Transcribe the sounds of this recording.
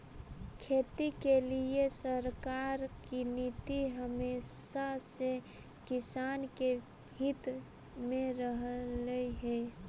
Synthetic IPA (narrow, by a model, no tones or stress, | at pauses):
kʰeːt̪ikeliesəɾkaɾkinit̪iɦəmeːsase | kɪsaːnke | hit̪ | mẽɾəɦləiɦɛ